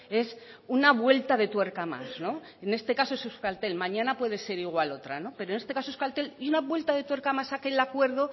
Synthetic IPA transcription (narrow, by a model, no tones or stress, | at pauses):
e̞sunaβwe̞lt̪aðe̞t̪we̞ɾkama̰sno̞ | ene̞st̪e̞kaso̞esuskalt̪e̞lmãɲãnapwe̞ð̞e̞se̞ɾiɣ̞walo̞t̪ɾano̞pe̞ɾone̞st̪e̞kasoeskalt̪e̞liunaβwe̞lt̪aðe̞t̪we̞ɾkamasake̞lakwe̞ɾð̞o̞